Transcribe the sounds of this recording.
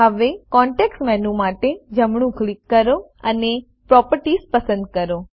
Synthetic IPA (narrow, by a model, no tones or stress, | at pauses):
ɦəʋekɔɳʈeksmɛnũmaʈed͡ʒəmɳũklikːəɾoəne | pɾɔpəɾʈispəsə̃nd̪̚kəɾo